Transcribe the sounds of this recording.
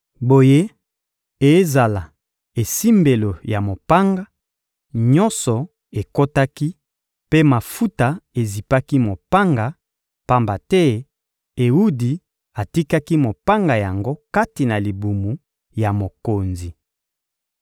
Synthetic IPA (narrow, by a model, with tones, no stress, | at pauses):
bo˨je˦ | e˨˦za˨la˨ | e˨si˦mbe˨lo˨ja˨mo˨pa˦ŋɡa˦ | ɲɔ˦nsɔ˨ | e˨ko˦ta˦ki˦ | pe˦ma˨fu˦ta˨e˨zi˨pa˦ki˦mo˨pa˦ŋɡa˨ | pa˦mba˨tɛ˦ | e˨wu˦di˨ | a˨ti˦ka˦ki˦mo˨pa˦ŋɡa˨ja˨ŋɡo˦ka˦ti˨na˨li˨bu˨mu˨ | ja˨mo˨ko˨nzi˨